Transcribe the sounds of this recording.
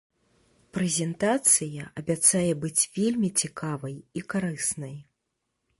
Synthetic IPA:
pɾɛzʲɛnt̪at̪sɨjɐɐbʲat̪sajɛbɨt͡sʲvʲelʲmʲit͡sʲikavɐjikaɾɨsnɐj

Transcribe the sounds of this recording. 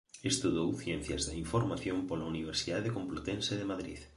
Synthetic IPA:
est̪uðowθjɛnθjazðaiɱfoɾmaθjõmpolauniβ̞eɾsiðaðekomplot̪enseðemaðɾḭð

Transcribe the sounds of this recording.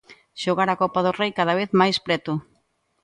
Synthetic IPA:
ʃoɣaɾakɔpaðʊrejkaðaβ̞eθmajspɾɛt̪ʊ

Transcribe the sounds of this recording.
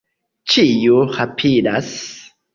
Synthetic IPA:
t͡ʃijuhapʰiɾas

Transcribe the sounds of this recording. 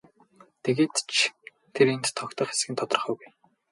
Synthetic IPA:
t̪ʰeɣeːt̪t͡ɕʰ | t̪ʰeɾent̪ʰːɔkt̪ə̆χe̥sɡɘ̆nt̪ʰɔt̪ɞ̆rχœːɡuj

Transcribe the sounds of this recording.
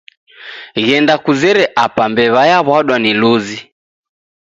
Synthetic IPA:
ɣɛndakuzɛɾɛʔapambɛβajaβwaɗwaniluzi

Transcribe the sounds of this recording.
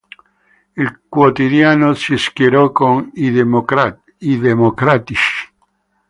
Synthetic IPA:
ilkwot̪id̪jaːnosiskjeɾɔkon | iðemokɾat̪iʃi̥

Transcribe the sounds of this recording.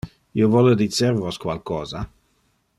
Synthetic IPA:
iovɔled̪iseɾvoskwalkɔːza

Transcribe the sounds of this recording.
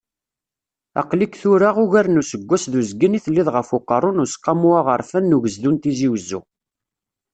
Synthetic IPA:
ɑ̰qlikθuɾaʁʊʝæɾnusəɡʷːæsðuzɡəniθəlːiðʁəfuqəɾˤʊnusqːɑmuaʁəɾˤfænːuʝəzðunt̪iziwəzːṵ

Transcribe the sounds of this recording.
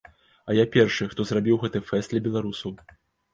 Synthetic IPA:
ɐjapʲɛrʂɨxt̪ɔzrabʲiwɣɛt̪ɨjfɛst̪lʲɐbʲɛlˠaɾusɐw

